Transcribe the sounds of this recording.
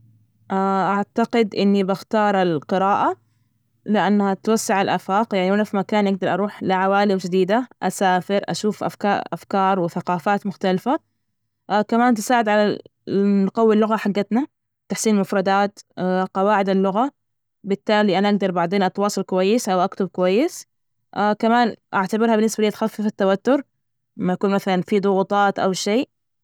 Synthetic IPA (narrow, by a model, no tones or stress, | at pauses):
ʔaʔaʕt̪aqɪd̪ʔɪnːibaxt̪ɑːɾˤalqɨɾaːʔa | lɪʔanːhat̪wasːaʕalʔaːfaːqjaʕniwanafimakaːnʔaɡ̚d̪ɑɾˤʔɑɾˤuːħlɪʕawaːlɪmd͡ʒɪd̪iːd̪aʔasaːfɪɾʔa̰ʃuːfʔa̰fkɑa̰fkɑːɾˤwɪθaqɑːfaːt̪mʊxt̪alfa | kamaːnt̪ɪsaːʕɪd̪ʕala | nʊqawːilːʊɣaħaɡːat̪na | t̪ːaħsiːnlmʊfɾˤɑd̪aːt̪qɑwaːʕɪd̪alːʊɣa | bɪt̪ːaːliːʔanaʔaɡ̚d̪ɑɾˤbaʕd̪eːnʔɑt̪wɑːsˤɑlkʊwajːɪsʔawʔakt̪ʊb̚kʊwajːɪs | ʔkamaːnʔaʕt̪abɪɾhabɪnːɪsbaliːt̪xafːɪfat̪ːawat̪ːʊɾ | mːajakuːnmaθalanfid̪ˤʊɣʊt̪ˤɑːt̪ʔa̰wʃeːʔ